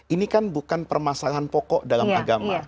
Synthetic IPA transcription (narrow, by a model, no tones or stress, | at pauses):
ʔinikanbukanpərmasalaɦanpɔkɔʔdalamaɡama